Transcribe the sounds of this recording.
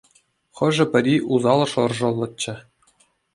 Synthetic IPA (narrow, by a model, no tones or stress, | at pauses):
χɤ̆ʐɘ̆pʲɘ̆ɾʲiʔuzɑlˠɤ̆ʂɤ̆rʐɤ̆lˠːɤ̆t͡ɕːɘ̆